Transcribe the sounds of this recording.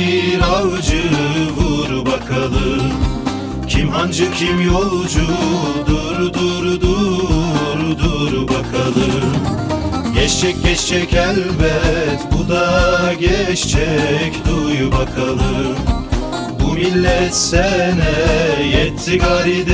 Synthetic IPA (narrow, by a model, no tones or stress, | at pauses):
ɾalˠd͡ʒɯvuɾubakʰalˠɯm | cʰimɦand͡ʒɯcʲʰimjolˠd͡ʒud̪uɾud̪uɾud̪u | ɾud̪uɾubakʰalˠɯm | ɟɛt͡ʃt͡ʃʰɛc̚ʲɟɛt͡ʃt͡ʃʰɛcælʲbɛt̪bud̪aɟɛt͡ʃt͡ʃʰɛcd̪ujubakʰalˠɯm | bumilʲːɛt̪sɛnɛjɛt̪ʰːiɡaɾid̪